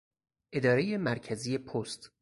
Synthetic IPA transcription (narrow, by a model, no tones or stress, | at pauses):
ʔe̞d̪ɒːɾe̞je̞mæɾcʰæziːje̞pʰost̪